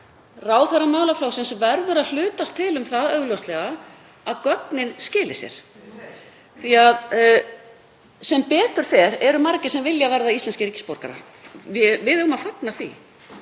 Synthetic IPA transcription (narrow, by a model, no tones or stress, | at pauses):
raːwθarːamaːwlaflaːwsɪnsvɛɾðʏɾaðl̥ʏːt̪ast̪ʰːɪlʏmθaðœɣljɔwst̪lɛɣa | aðkœtnɪnscɪːlɪsjɛ̰ɾ̥ | θiað | sɛmpɛːt̪ʏɾ̥fɛɾɛɾʏmaɾcɪ̥sɛmvɪljavɛɾðaist̪ɛnscɪɾiːcɪ̥spowɾ̥ka̰ɾa̰ | ɪvɪðɣʏmaðfaknaθḭ